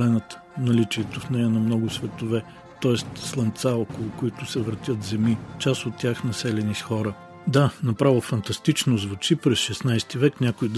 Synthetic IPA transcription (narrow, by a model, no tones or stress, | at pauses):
lɛnət̪ | nɐlit͡ʃiɛt̪ofnɛjənɐmnɔɡʊsvɛt̪ovɛ | t̪ɔɛst̪slˠɐnt̪saɔkolˠʊkʊit̪ʊsɛvɾɐt̪ʲjət̪zɛmit͡ʃasot̪ːʲaxnɐsɛlɛnisxɔɾə | d̪anɐpɾavəfɐnt̪ɐst̪it͡ʃnozvʊt͡ʃipɾɛsʃɛsnajst̪ivɛknʲakʊid̪